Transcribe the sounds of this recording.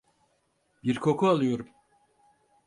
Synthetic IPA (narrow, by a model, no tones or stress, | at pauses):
biɾkʰo̞kʰualˠɯjo̞ɾum